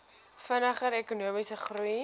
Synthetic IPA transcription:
fənəχəɾekunuəmisəχruj

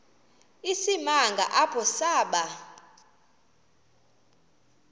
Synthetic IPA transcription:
isimaŋɡʱa̰ʔapʰɔsaːɓa

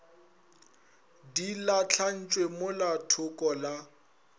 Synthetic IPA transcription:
dilat͡ɬʰan̩t͡ʃʼwemʊlatʰʊkʼɔla

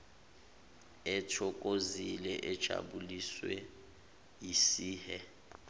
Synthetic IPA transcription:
ɛtʰɔkʼozilɛʔɛd̥ʒ̥ʱa̰ɓuliswɛ | jisiːhɛ

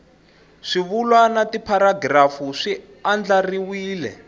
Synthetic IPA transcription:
ʂiβulwanatipʰaɾaɡrafuʂi | and͡ɮariwiːlɛ̰

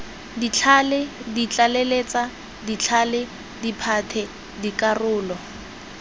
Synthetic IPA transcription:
dit͡ɬʰalɪdit͡ɬʼaleleːt͡sʼa | dit͡ɬʰalɪ | dipʰatʰɛ | dikʼarʊːlɔ

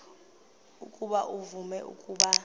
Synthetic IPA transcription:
ukʼuɓaʔuvumɛʔṵkʼuːɓa

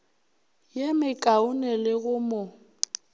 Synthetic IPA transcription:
jemɪkʼaʊnɛlɪɣʊmo

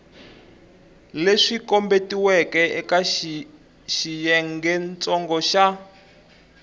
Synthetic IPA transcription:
leʂikɔmbetiwɛkɛɛka | ʃijɛŋɡɛnt͡sʼɔŋɡɔʃa

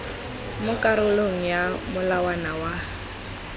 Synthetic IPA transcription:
mʊkʼaɾʊloŋ̩jamʊlawanawa

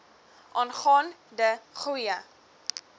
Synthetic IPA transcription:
ʔɑːnχɑːndəχujə

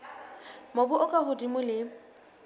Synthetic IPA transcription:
mobʊʔʊkʼahʊdimʊlɪ

